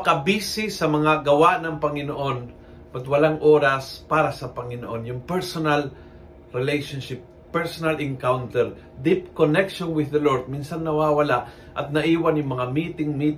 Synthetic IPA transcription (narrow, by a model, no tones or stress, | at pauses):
ɐkɐbiːsɪsɐmɐŋaɡɐwaʔnɐŋpɐŋɪnoʔo̞n | bɐt̪wɐlaŋʔoːɾɐspaːɾɐsɐpɐŋɪnoʔo̞njʊŋpɛɹsonɐl | ɾɪlejʃonʃɪp̚ːɛɹsonɐlɪŋkawnt̪ɛɹ | d̪ip̚konɛkʃonwɪðɐloɹd̪̚minsɐnːɐwaːwɐlaʔ | ʔɐt̪̚nɐʔiːwɐnjʊŋmɐŋamiːt̪ɪŋmiː